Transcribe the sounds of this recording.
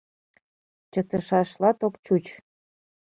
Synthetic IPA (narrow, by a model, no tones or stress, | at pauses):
t͡ɕə̆t̪ə̆ʃɑʃlɑt̪okt͡ɕut͡ɕ